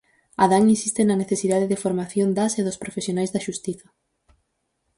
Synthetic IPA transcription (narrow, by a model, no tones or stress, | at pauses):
aðaŋinsist̪ɪnɐneθesiðaðeðɪfoɾmaθjond̪aseðʊspɾofesjonajzðɐʃust̪iθɐ